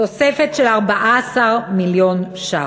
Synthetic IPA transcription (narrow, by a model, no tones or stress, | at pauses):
osefe̞tʃelaʁbaʔaasaʁmiljo̞nʃa